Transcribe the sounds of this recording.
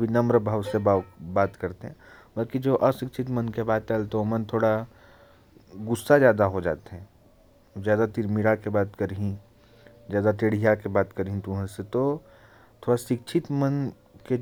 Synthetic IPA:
bʱinɐmɾəbʱaʋsebabaːt̪kɐɾt̪eɦɛ̃bɐlkid͡ʒoːʔɐʃɪk̚t͡ʃʰɪt̪mənkebaːd̪̚t͡ʃəlt̪omənt̪ʰoːɽa | ɡʊsːazjaːd̪aɦod͡ʒa̰ːt̪eɦɛ̃ | zjaːd̪at̪ɪɾmiɾakebaːt̪kəɾɦĩ | zjaːd̪at̪eːɽ̤ijakebaːt̪kəɾɦĩt̪uɦə̃set̪o | t̪ʰoːɽaʃɪk̚t͡ʃʰɪt̪mən | ke

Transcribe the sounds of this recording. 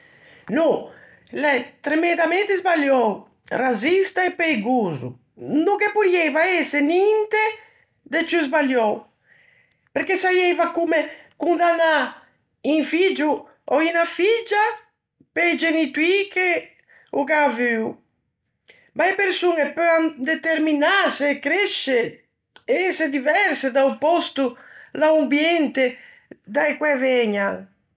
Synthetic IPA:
no | lɛt̪ɾemẽnd̪amẽnt̪ezbaljɔw | razist̪aepejɡuzṵ | nukepuɾjɛjvaesenint̪e | d̪et͡ʃuzbaljɔw | peɾkesajɛjvakumekund̪ana | iŋfid͡ʒu | ɔinafid͡ʒa | pejd͡ʒenit̪uike | ukavyw | baepeɾsunepøand̪et̪eɾminasekɾɛʃe | eɛsed̪ivɛɾsed̪aupɔst̪ulaumbjɛnt̪e | d̪ajkwɛvɛɲaŋ

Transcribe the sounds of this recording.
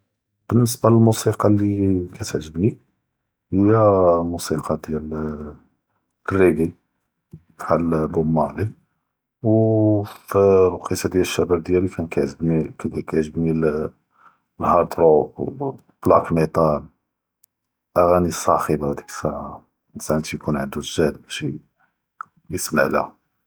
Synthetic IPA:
b̥ənːəsbaləlmusiqɑlːikæt̪ʕʒəbni | həjæmusiqʰɑd̪jæl | rːiɡi | t̪ʕalbʊmːɑʕli | w | fɾˤuqisˤɑd̪jælʃːæbæb̚d̪jælikʰænkʕʒəbnikækaʕʒəbnil | lhɑɾˤt̪ɾo | b̥lɑkmit̪ˤɑl | ʔæɣænisˤɑxəbad̪i̥ksæ | sæʕnt̪jkunʕənd̪uʒæd̪bæʃ | jəsmaʕlæ̰h

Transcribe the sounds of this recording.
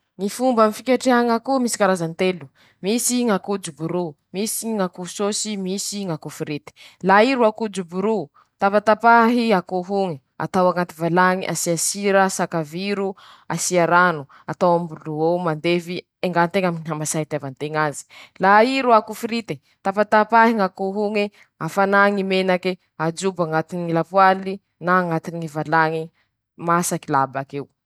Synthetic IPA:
ŋifumbamifikʲaʈ͡ʂeaŋakumisi̥kaɾazant̪elu̥ | misiŋakud͡zubuɾu | misiŋakusosimisiŋakufiɾit̪e̥laiɾuakud͡ʒubuɾu | t̪apat̪apaɦiakuɦuŋi | a̰t̪awaŋat̪ivalaŋḭʔa̰siasiɾasakaviɾu | asiaɾanu | at̪awambuluowmand̪evi | eŋɡant̪eŋaminiɦamasait̪avant̪eŋazi̥laiɾuakufiɾit̪e | t̪apat̪apaɦiŋakuɦuŋe | afanaŋimenake | ad͡ʒubaŋat̪inŋilapwali | naːŋat̪inivalaŋi | masakilabakew

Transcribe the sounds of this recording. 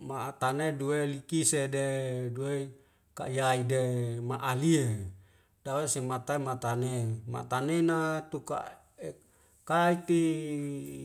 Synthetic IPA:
mat̪aneduelikisededue | ka̰ijaidemaʔalie | d̥awesemat̪aimat̪anema̰t̪anenat̪uka̰ | e | kait̪i

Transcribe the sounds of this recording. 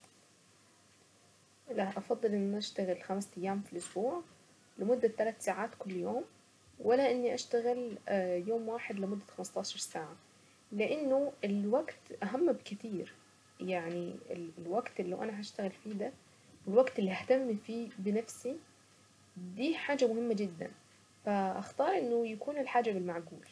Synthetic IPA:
laʔʔɑfɑd̪ˤːɨlʔɪnːʔaʃt̪aɣɪlxamsʔæjːaːmfilʔʊsbuːʕ | lɪmʊd̪ːat̪ːalat̪saːʕaːt̪kʊlːjoːm | wɪlːaʔɪnːiʔaʃt̪æɣɪljoːmwaːħed̪lɪmʊd̪ːæxamɪst̪ˤɑːʃɑɾˤsaːʕa | lɪʔɪnːʊɪlwaɡt̪ʔaɦamːbkɪt̪iːɾ | jaʕniɪ̰llwaɡt̪ɪlːawʔanaɦaʃt̪aɣɪlfiːd̪a | wɪlwaɡt̪ʔɪlːiʔaht̪amːfiːbɪnafsi | d̪iːħaːd͡ʒamʊhɪmːad͡ʒɪd̪ːa̰n | faʔaxt̪ɑːɾˤʔɪnːʊjakuːnɪlħaːd͡ʒabɪlmaʕɡuːl

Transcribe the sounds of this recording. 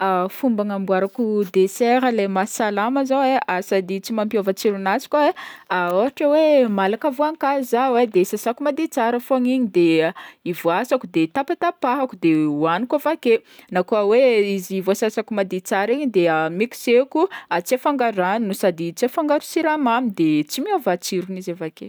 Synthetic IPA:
afumbaŋambuaɾakud̪eseɾəlemasalaməzaweasad̪it͡simampjovət͡siɾunat͡si̥kʲaeaoaʈ͡ʂawemalakavoaŋkazawed̪esasakumad̪et͡saɾəfoaŋiɲid̪eivoasakud̪et̪apat̪apaɦakud̪ewanikavakenakuaweizivoasasakumad̪et͡saɾiɲid̪eamiku̥sekuat͡sefaŋɡaɾaninusad̪it͡siafaŋɡaɾu̥siɾamamid̪et͡simiovat͡siɾunizavakḛ

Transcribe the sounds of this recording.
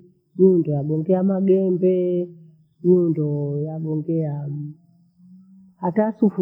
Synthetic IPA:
ɲundɔjaɡɔŋɡɛamaɡɛmbɛ | ɲundɔjaɡɔŋɡɛam | hatasufu

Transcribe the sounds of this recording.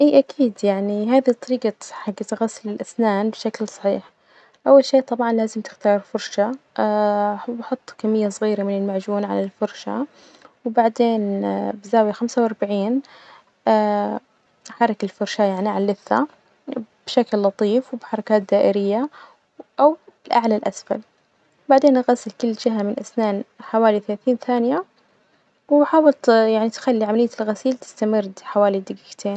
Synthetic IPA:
ʔiːʔakʰiːd̪jaʕniɦaːðit̪ˤːɑɾiːɡaħaɡat̪ɣasːɪlɪlʔasnaːnbʃaklsˤɑ̥ħḭːħ | ʔawːalʃeːt̪ˤɑbʕɑnlaːzɪmt̪ɪ̥xt̪ɑːɾˤfʊɾˤʃa | bħʊt̪ˤːkamːɪjːasˤɣiːɾamɪnɪlmaʕd͡ʒuːnʕa̰lalfʊɾˤʃa̰ | wbaʕd̪eːnbɪzaːwixamsawʔɑɾˤbaʕiːn | ʔaː | ħɑɾˤɑkɪlfʊɾˤʃajaʕniʕalːɪθːa̰ | b̥ʃaklːɑt̪ˤiːfwbħɑɾˤɑkaːt̪̚d̪aːʔɪɾɪjːa | ʔawɪlʔaʕlalʔa̰sfa̰l | baʕd̪eːnʔaɣasɪlkʊlːd͡ʒɪɦamɪnʔasnaːnħawaːliθalaːθiːnθaːnɪja | wħaːwɪlt̪jaʕnit̪xalːiʕamalɪjːalɣasiːlt̪ɪ̥st̪amɪrd̪ħawaːlid̪ɪɡɪkt̪ʰeːn

